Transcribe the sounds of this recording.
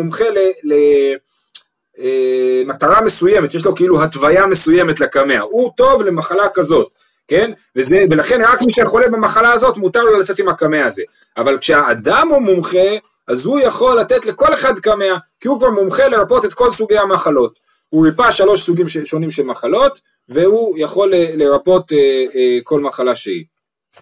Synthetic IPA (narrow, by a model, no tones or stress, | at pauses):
umχe̞lele | emat̪aʁame̞suje̞met̪jeʃ̬lo̞keiluɦat̪vajame̞suje̞met̪lekame̞a̰hut̪o̞vle̞maχalakazo̞t̪ | ke̞n | vezevelaχe̞nʁakmiʃeχo̞lebamaχalaːzo̞t̪mut̪aʁlolat͡se̞t̪imhakameaːze̞ | avalkʃeaːd̪amumumχe̞ | azhujaχo̞lːat̪e̞tle̞ko̞le̞χad̪kame̞akihukvaʁmumχe̞le̞ʁapo̞t̪et̪̚ko̞lsuɡe̞jamaχalo̞t̪ | huipaʃalo̞ʃsuɡimʃeʃo̞nimʃe̞lmaχalo̞t̪ | ve̞hujaχo̞leleʁapo̞t̪eko̞lmaχalaʃeḭ